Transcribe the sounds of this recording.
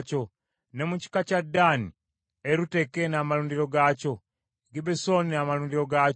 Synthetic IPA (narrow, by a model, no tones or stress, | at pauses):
co̞ | ne̞muci̥kacadːaːni | eɾute̞kenamaluːndiɾo̞ɡaco̞ | ɡibeso̞ninamaluːndiɾo̞ɡa